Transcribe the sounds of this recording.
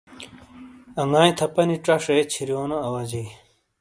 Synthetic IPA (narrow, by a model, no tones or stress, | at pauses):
ɐŋaːj̃t̪ʰɐpɐniʈ͡ʂɐʂet͡ɕʰiɾjoːnoɐwɐd͡ʑi